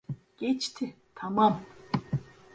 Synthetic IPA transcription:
ɡ̥et͡ɕt̪ʰe | t̪ʰamam

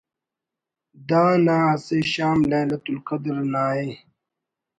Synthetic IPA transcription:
d̪aːnaːseːɕaːmlẽːlɐt̪ulqɐd̪ɾnaːe

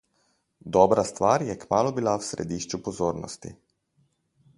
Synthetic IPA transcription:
d̪ɔːbɾast̪ʋaːɾjɛkmaːlɔbilawsɾḛd̪iːʃt͡ʃupozoːɾnɔ̰st̪ḭ

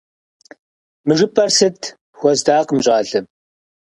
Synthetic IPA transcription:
mɨʐɨpʼɐrsɨtʰ | xʷɔzdaːqmɕʼaːɮɨm

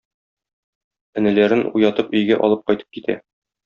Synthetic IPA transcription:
ɘ̆nɘ̆læɾɘnṵjɑt̪ɤpɵ̆jɡæʔɒ̰lˠɤp̚qɒjt̪ɤ̥p̚kit̪ʰæ̰

